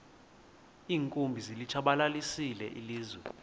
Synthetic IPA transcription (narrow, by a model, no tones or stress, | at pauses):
iːŋkʼumbʱizilit͡ʃʰaɓalalisilɛ̰ʔiliːzwɛ